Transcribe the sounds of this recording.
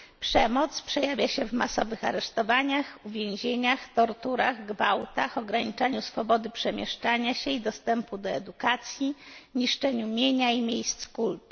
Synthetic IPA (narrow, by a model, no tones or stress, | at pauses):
pʂɛmɔt̪spʂɛjavʲjaɕɛvma̰sɔvɘxa̰ɾɛʂt̪ɔvaɲaxuvʲjẽw̃ʑeɲaxt̪ɔɾt̪uɾaɣɡvawt̪axɔɡɾaɲit͡ʂaɲusfɔbɔd̪ɘpʂɛmʲjɛʂt͡ʂaɲaɕɛid̪ɔst̪ɛmpud̪ɔɛd̪ukat̪sʲjiɲiʂt͡ʂɛɲumʲjeɲaimʲjejst̪skult̪u̥